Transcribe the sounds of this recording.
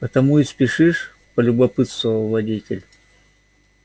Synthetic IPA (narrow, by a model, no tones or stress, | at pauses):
pət̪ɐmuispʲɪʂɨʂ | pəlʲʊbɐpɨt̪st̪vəvəlˠvɐdʲitʲɪlʲ